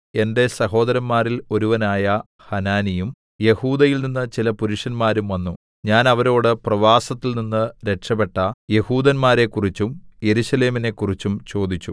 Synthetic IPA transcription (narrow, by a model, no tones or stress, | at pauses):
e̞nde̞sɐɦo̞ːd̪ɐɾɐmːaːɾilo̞ɾuʋɐnaːjɐ | hɐnaːnijum | je̞huːd̪ɐjilninːɐt͡ɕilɐpuɾuʂɐnmaːɾumʋɐnːu | ɲaːnɐʋɐɾo̞ːɽɨprɐʋaːsɐt̪ːilninːɨɾe̞kʂɐpe̞ʈːɐje̞huːd̪ɐnmaːɾe̞kːurit͡ɕːumje̞ɾuɕɐle̞ːmine̞kːurit͡ɕːumt͡ɕo̞ːd̪it͡ɕːu